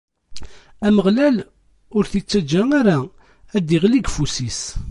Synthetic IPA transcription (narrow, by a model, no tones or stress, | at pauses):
æməʁlæl | ʊɾθit͡sːæd͡ʒːæŋaɾæ | æd̪iʁliɡfusis